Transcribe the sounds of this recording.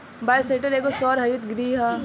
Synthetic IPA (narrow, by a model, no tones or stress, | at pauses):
baːjseʈəɾeːkosɔːɾɦɐɾit̪ɡɾiːɦa